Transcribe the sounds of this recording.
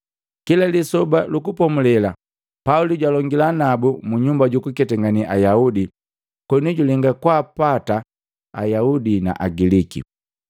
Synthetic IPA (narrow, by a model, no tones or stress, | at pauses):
kilalisɔbalukupɔmulɛla | pauliɟwalɔŋɡilanabumuɲumbaɟukukɛtɛŋɡaniʔajaudi | kwɛnuɟulɛŋɡakwaːpata | a̰jaudina̰ʔaɡilikḭ